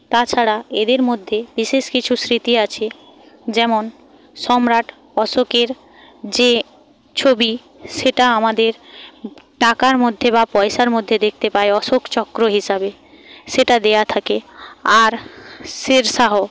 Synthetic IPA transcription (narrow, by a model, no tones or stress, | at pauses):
t̪at͡ɕʰaɾaed̪eɾmod̪ʱːebiʃeʃkit͡ɕʰusɾit̪iat͡ɕʰe | d͡ʑɛmon | ʃɔmɾaʈʰ | ɔʃokeɾ | d͡ʑe | t͡ɕʰobi | ʃeʈaamad̪eɾ | ʈakaɾmod̪ʱːeβapɔeʃaɾmod̪ʱːed̪ek̚ʰt̪epaeɔʃokt͡ɕɔkːɾoɦiʃabe | ʃeʈad̪ejat̪ʰakeaɾʃeɾʃaɦo